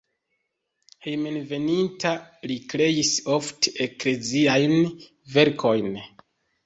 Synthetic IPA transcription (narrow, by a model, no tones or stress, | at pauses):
hejmenve̞nintalikɾe̞iso̞fteekle̞ziajn | ve̞ɾkʰo̞jn